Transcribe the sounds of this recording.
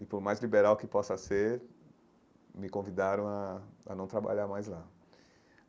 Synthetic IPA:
ɪpoɾmajzlibeɾawkɪpɔsɐseɾ | mɪkõvid̪aɾɐ̃w̃aa̰nɐ̃w̃t̪ɾaba̰ʎaɾmajzla

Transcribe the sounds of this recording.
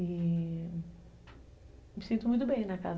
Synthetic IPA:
i | misĩnt̪umũj̃t̪ʊbẽj̃nɐka̰z

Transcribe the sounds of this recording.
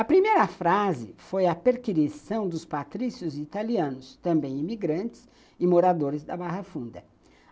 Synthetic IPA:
ɐpɾimejɾɐfɾazɪfojɐpeɾkiɾisɐ̃w̃d̪ʊspat̪ɾisjʊzit̪aliɐ̃nʊst̪ɐ̃mbẽj̃imiɡɾɐ̃nt͡ʃɪ̥s | ɪmoɾad̪oɾɪzd̪ɐbaɦɐfũnd̪ɐ

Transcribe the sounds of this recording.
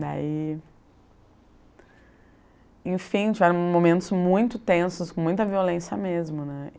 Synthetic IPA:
d̪a̰i | ẽj̃fĩt͡ʃivɛɾɐ̃w̃momẽnt̪ʊzmũj̃t̪ʊt̪ẽsʊskõmũj̃t̪ɐviolẽsjɐ̰mezmʊnɛ

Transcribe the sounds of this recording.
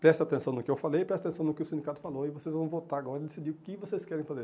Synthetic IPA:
pɾɛsat̪ẽsɐ̃w̃nʊkɪewfalejpɾɛst̪ɪat̪ẽsɐ̃w̃nʊkɪʊsĩnd̪ikat̪ʊ̥faloɪvosezvɐ̃w̃vot̪aaɡɔɾɐɪd̪esid͡ʒiʊkɪvoseskɛɾẽj̃fazeɾ

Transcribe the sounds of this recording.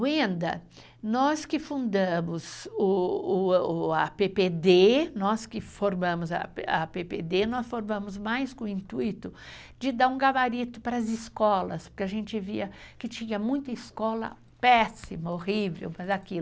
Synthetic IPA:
ĩnd̪ɐ̰ | nɔskɪfũnd̪ɐ̃mʊzʊː | ɐpeped̪enɔskɪfoɾmɐ̃mʊzɐ̰pɐ̰peped̪enɔsfoɾmɐ̃mʊzmajskõĩnt̪uit̪ʊ | d͡ʒɪd̪aɾũɡavaɾit̪ʊpɾɐːzɪskɔlɐspʊɾkɪaʒẽnt͡ʃɪviɐkɪt͡ʃĩɲɐmũj̃t̪ɐiskɔlɐ̰ | pɛsimɐohivḛwmɐzaki

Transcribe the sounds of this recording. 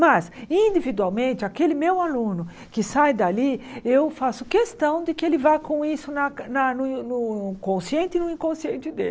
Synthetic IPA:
mɐsĩd̪ivid̪uawmẽnt̪ɪakelɪmewalũnʊ | kɪsajd̪aliewfasʊ̥kest̪ɐ̃w̃d̪ɪkɪelɪvajkõisʊnɐnɐnʊnʊʊkõsiẽnt̪ɪnʊĩkõsiẽnt͡ʃ̪ɪd̪ḛl

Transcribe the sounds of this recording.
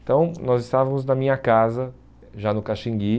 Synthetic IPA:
t̪ɐ̃w̃nɔzɪst̪avɐ̃mʊznɐmĩɲɐkazɐ | ʒanʊkaʃĩŋɡi

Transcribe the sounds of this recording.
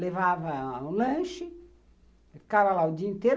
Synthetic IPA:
levavɐũlɐ̃ʃɪ | fi̥kavɐlaʊd͡ʒiɐĩnt̪eɾ

